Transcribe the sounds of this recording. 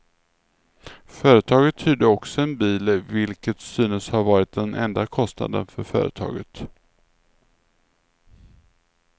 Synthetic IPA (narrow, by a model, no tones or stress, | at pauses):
fœːɾət̪ʰɑːɡət̪ʰːyːd̪əɔksɔɛnbiːlvɪlkət̪syːnəshaɾvɑːɾɪt̪̚d̪ɛnɛnd̪akʰɔst̪na̰d̪ə̰nfœɾfœ̰ːɾə̰t̪ʰɑ̰ːɡət̪